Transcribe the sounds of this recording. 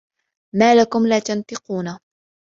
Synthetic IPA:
maːlakʊmlaːt̪ant̪ɨquːna

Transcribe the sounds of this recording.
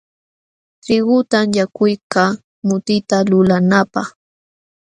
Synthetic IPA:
tɾɪɢʊt̪amjakʊjka | mʊt̪ɪt̪alʊlanapɑχ

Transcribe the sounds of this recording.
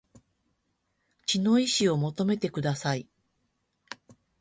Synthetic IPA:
t͡ɕino̞iɕio̞mo̞t̪o̞me̞t̪e̞kɯ̟d̪asai

